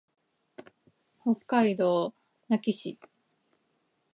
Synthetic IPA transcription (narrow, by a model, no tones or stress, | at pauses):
hokːaid̪o | nakʲiɕi